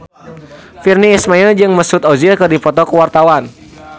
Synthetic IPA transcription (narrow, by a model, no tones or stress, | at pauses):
firniːsmaild͡ʒɨŋməsut̪ɔzilkɨrdipɔt̪ɔkuwart̪awan